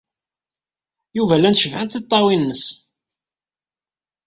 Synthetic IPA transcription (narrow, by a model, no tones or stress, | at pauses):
juvælænt̪ʃəvʕənt̪it̪ˤːɑwinːəs